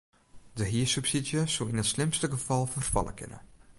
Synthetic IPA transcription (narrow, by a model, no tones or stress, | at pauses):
dəɦiəsypsidjəsolɪnətslɪmstəɡəfɑlˠfərfɑ̰lˠə̰kɪ̰nə̰